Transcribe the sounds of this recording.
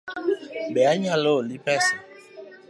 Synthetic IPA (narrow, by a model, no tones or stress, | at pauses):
bɛaɲalolipɛsɛ